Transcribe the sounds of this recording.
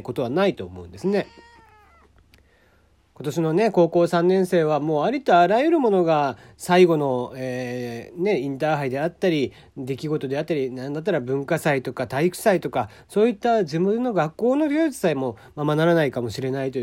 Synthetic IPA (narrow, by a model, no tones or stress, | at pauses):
ko̞t̪o̞βanait̪o̞ːmo̞ɯ̟̃nd̪e̞sɨne̞ | ko̞t̪o̞ɕino̞ne̞ko̞ːko̞ːsãnːẽ̞ɰ̃se̞ːβ̞amo̞ːaɾʲit̪oaɾajɯɾɯ̟mo̞no̞ɡa | saiɡo̞no̞eːne̞ĩnt̪aɦaid̪e̞at̪ːaɾʲi | d̪e̞kʲiɡo̞t̪o̞d̪e̞at̪ːaɾʲinãnd̪at̪̬ːaɾabɯ̟̃ŋkasait̪o̞kat̪aikɯ̟̥sait̪o̞ka | so̞ːit̪ːad͡ʑɨmɯɨnːo̞ɡakːo̞ːno̞ɡʲoːt͡sɨ̥saimo̞ | mamanaɾanaikamo̞ɕiɾe̞nait̪o